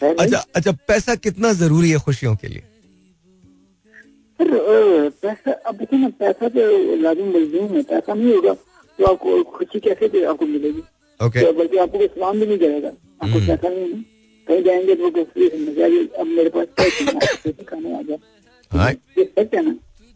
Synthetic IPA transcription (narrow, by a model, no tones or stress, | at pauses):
ɛːɐt͡ʃʰaɐːt͡ʃʰapɛːsakɪt̪nazɐɾuːɾiɦɛːxʊʃijõkḛlḭḛ | sɐɾpɛːsaʔɐb̚d̪eːkʰenapɛːsat̪olaːzɪmːʊlzuːmɦɛpɛːsanɐɦĩɦoːɡaː | t̪oaːp̚koxʰʊʃikɛːset̪eaːp̚komɪleːɡiː | oːkebɐlkeaːp̚kokosɐlaːmbʱinɐ̃ĩkɐɾeːɡa̰ː | aːpkopɛːsanɐɦĩnɐĩ | k̪ɐɦĩd͡ʒaːẽːŋɡet̪oʋoːbofɾesɐmed͡ʒaːɡeɐbmeːɾepaːskaːkɐ̃a̰ːpkopɛːsekʰaːnea̰ːd͡ʒaː | ɦa̰jeɐt͡ʃɛnaː